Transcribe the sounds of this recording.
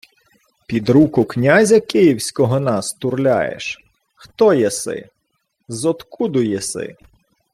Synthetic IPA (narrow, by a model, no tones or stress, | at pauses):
pʲid̪ɾukʊknʲazʲɐkɪjiwsʲkɔɦɔnɑst̪ʊrlʲa̰jḛʃ | xt̪ɔjɛsɪ̰ | zɔt̪kud̪ʊjɛsɪ̰